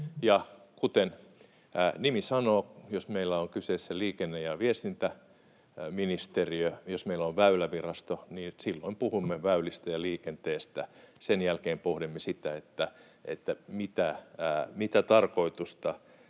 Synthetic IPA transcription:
jɑkut̪en | nimisɑnoːjosmeilːæoŋkyseːsːæliːkenːejɑʋiest̪int̪æ | minist̪eriøjosmeilːoʋʋæylæʋirɑst̪oniːsilːoimpuhumːeʋæylist̪æjɑliːkent̪eːst̪æsenjælkeːmpohɾimːesit̪æet̪ːæ | ḛt̪ːæmit̪æmit̪æt̪ɑrkoit̪ust̪ɑ

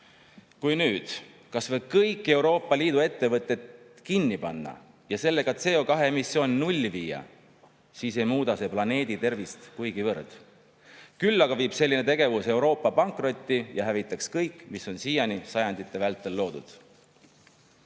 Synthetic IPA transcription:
kujnyːd̪̥ | kɑsvɤ̞b̥̚kɤjkːˑe̞wɾo̞ːpːˑɑliːd̪ue̞t̪ːe̞vɤt̪ːˑe̞t̪ | kinːipɑnːɑ̰ | jɑse̞lːe̞ɡɑt̪se̞ːo̞kɑɦe̞emisːjo̞ːnʲnulʲːviːjɑ̰ | siːse̞jmuːd̪ɑse̞plɑne̞ːd̪̥it̪e̞rvist̪kujɡ̥ivɤrd̪̥ | kylːɑɡ̥ɑviːb̥se̞lʲːine̞t̪e̞ɡ̥e̞vuse̞wɾo̞ːpːˑɑpɑŋkˑro̞t̪ʲˑːijɑɦævit̪ːˑɑkskɤjkːˑmiso̞nsiːjɑnisɑjɑnd̪̥it̪ːˑe̞vælt̪ːˑe̞lːo̞ːd̪̥ṵd̪̥

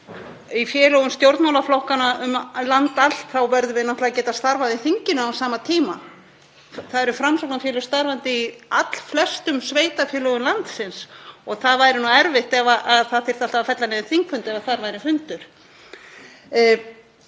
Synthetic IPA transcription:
ifjɛːlœɣʏmst̪jowɾt̪mawlaflowhkanaʏmlant̪al̥t̪θawvɛɾðʏvɪnaht̪lacɛːt̪ast̪aɾvaðiθiɲcɪnʏawsaːmat̪ʰiːma̰ | θaðɛɾʏfɾamsɔwknafjɛlʏɾst̪aɾvant̪ɪiat̪l̥flɛst̪ʏmsveːjt̪afjɛːlɔɣʏmlant̪sɪnsɔɣθaðvaːjɾɪnuɛɾvɪht̪ɛvaʔaðθaðθɪɾ̥θal̥t̪avafɛt̪lanɛːvɪθiŋkfʏnt̪ɛvaθaɾvaːjɾɪfʏnt̪ʏɾ̥

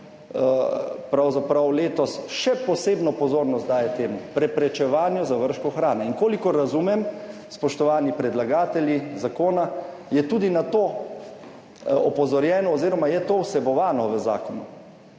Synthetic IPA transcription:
pɾawzapɾawleːt̪ɔsʃɛpɔseːbnɔpɔzoːɾnɔst̪d̪aːjɛt̪eːmupɾɛpɾɛt͡ʃɛʋaːnjɔzaʋəɾʃkɔxɾaːnɛiŋkoːlikɔɾːazuːmɛmspɔʃt̪ɔʋaːnipɾɛd̪laɡaːt̪ɛljizakoːna | jɛt̪uːd̪inat̪oː | ɔpɔzɔɾjɛːnɔːziːɾɔmajɛt̪oːwsɛbɔʋaːnɔʋəza̰ːkɔnu

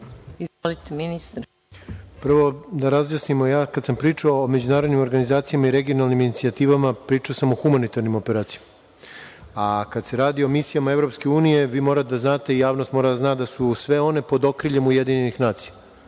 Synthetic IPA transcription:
izʋolit̪minist̪ɾ | pr̩ʋo̞d̪aɾazjasnimojaːkad̪sampɾiːt͡ʂaoːme̞d͡ʑunaːɾod̪nimo̞ɾɡanizaːt̪sijamaiɾe̞ɡio̞nalniminit̪siat̪iːʋamapɾiːt͡ʂaosamo̞xumanit̪aɾnimo̞peɾaːt̪sijama | akad̪se̞ɾaːd̪io̞misijamaevɾo̞pske̞uːnije̞ʋiːmo̞ːɾat̪d̪aznaːt̪e̞ijaːʋnost̪mo̞ːɾad̪aznaːd̪asusʋe̞o̞ne̞po̞d̪okɾiʎe̞mujed̪iɲenixnaːt̪sija

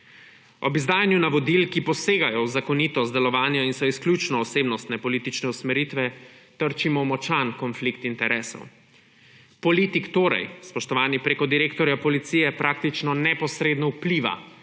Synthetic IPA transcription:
ɔbizd̪aːjanjunaʋɔd̪ilkipɔseːɡajɔwzakɔniːt̪ɔd̪ɛlɔʋaːnjɛinsɔisklʲjut͡ʃnɔːseːbnɔst̪nɛpɔliːt̪it͡ʃnɛusmɛɾit̪ʋɛ | t̪əɾt͡ʃimɔmɔt͡ʃankɔnflikt̪int̪ɛɾʔɛːsɔ̰w | pɔliːt̪ikt̪oːɾa̰jspɔʃt̪ɔʋaːnipɾeːkɔd̪iɾeːkt̪ɔɾjapɔlit̪sijɛpɾʔaːk̚t̪it͡ʃnɔnɛpɔsɾed̪nɔwpliːʋa̰

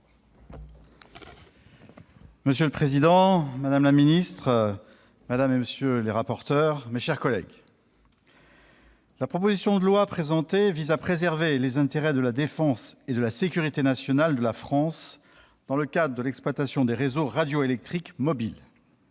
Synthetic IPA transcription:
məsjøləpχezid̪ɑ̃mad̪amlaminist̪χ | mad̪ameməsjøleʁapɔʁt̪œʁmeʃɛʁkɔlɛ̰ɡ | lapχɔpozisjɔ̃d̪əlwapχezɑ̃t̪evizapχezɛʁvelezɛ̃t̪eʁɛd̪əlad̪efɑ̃sed̪əlasekʲyʁit̪enasjɔnald̪əlafχɑ̃s | d̪̥ɑ̃ləkad̪ʁəd̪əlɛksplwat̪asjɔ̃d̪eʁezoʁad̪joelɛk̚t̪χikmɔbil

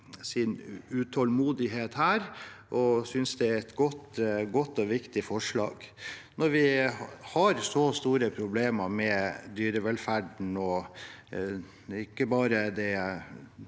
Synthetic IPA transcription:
sɪnʉt̪ʰɔlmuːd̪ɪɦeːt̪hæːɾʔɔsʏnsd̪ɛæɾɛt̪ɡɔt̪ɡɔt̪ːɔʋɪkt̪ɪfɔʂɭɑ̰ːɡnɔɾʋɪhɑɾsɔst̪uːɾəpʰɾʊbleːmɑɾmɛd̪yːɾəʋɛlfæɖɳ̩ɔ | ɪkːəbɑːɾəd̪ɛ

